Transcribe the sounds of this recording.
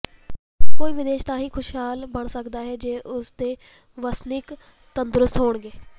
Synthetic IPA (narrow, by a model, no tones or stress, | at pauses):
koːiːʋɪd̪eːʃt̪ãːɦĩːkʰʊʃɦaːlbəɳsəkd̪aːɦɛːd͡ʒeːʔʊsd̪eː | ʋəsnɪk | t̪ənd̪ɾʊst̪ɦoːɳɡeː